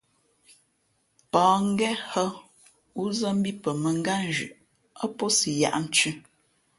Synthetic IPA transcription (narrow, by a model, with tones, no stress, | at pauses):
pɔː˨˦ŋ˦ɡɛ˦hə˦ | u˦zə˦m̩˦bi˦pə˨mə˨ŋ˦ɡa˦n˨d͡ʒʉ̰˨ʔ | a˦po˦si˨ja̰˨ʔn̩˨˦t͡ʃʉ˦